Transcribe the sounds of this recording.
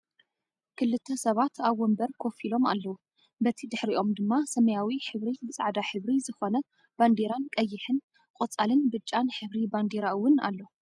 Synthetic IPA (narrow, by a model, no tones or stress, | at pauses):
kʰɨlːɨt̪ʰːɐsɐβat̪ʰaβːombɐɾkʰofilo̞ma̰lːɐwu | bɐt̪ʰid̪ɨħɾiʔo̞md̪ɨmːasɐmɐjawiħɨβɾibɨt͡sʼa̰ʕd̪aħɨβɾizɨxonɐ | b̥and̪eɾankʼɐjːɪħɨn | kʼot͡sʼalɨnbɨt͡ʃʼːanħɨβɾiband̪eɾaɨwːʊna̰lːo